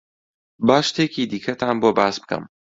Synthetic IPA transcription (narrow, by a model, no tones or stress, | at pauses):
baːʃt̪eːciːd̪iːkʰɐt̪ʰaːnboːbaːsbɨkʰɐ̰m